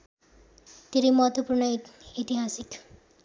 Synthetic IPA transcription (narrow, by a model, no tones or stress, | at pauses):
t̪iɾimʌɦʌt̪wʌpuɾɳʌit̪iɦasik